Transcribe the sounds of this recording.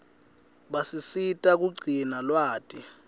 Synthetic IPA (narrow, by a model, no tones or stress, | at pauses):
ɓasisitʼak̬uɡ͡ǀʱinalwaːtʰʼi